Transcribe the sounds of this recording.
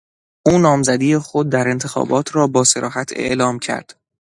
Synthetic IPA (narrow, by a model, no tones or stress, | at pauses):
ʔuːnɒːmzæd̪iːjexod̪̚ːæɾe̞nt̪ʰe̞xɒ̰ːbɒːt̪ʰɾɒːbɒːse̞ɾʔɒːɦæt̪ʰe̞̰ʔlɒːmcʰæ̰ɾd̪̥